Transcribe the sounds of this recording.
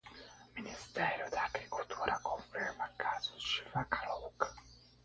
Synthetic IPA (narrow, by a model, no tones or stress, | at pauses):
minist̪ɛːɾjod̪aɡɾikult̪ʰuːɾakoɱfiɹmakːazoʃyvakalowk